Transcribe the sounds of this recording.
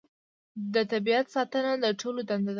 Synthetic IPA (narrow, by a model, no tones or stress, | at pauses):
d̪ət̪abiat̪sɑt̪ənad̪əʈolod̪and̪ad̪